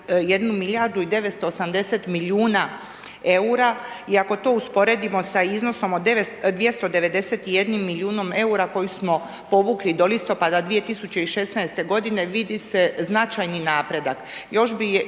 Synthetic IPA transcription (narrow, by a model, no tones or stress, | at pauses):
je̞d̪numilʲjaɾd̪uid̪e̞ʋet̪st̪oːsamd̪e̞se̞t̪miljuːna | e̞uɾa | iako̞t̪o̞uspo̞ɾe̞d̪imo̞saizno̞so̞mod̪eʋesd̪ʋje̞st̪o̞d̪e̞ʋe̞d̪e̞se̞t̪ije̞d̪nimːilʲjuːno̞me̞uɾako̞jusmo̞ | po̞ʋuklid̪o̞list̪o̞pad̪ad̪ʋije̞t̪isut͡ɕe̞iʃe̞snaest̪e̞ɡo̞d̪ine̞ʋid̪ise̞znat͡ʃajninaːpɾe̞d̪akjo̞ʃbi